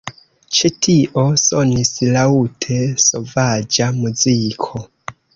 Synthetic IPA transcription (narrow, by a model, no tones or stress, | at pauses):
t͡ʃetʰiʔosonisilautʰeso̞vad͡ʒamuzikʰo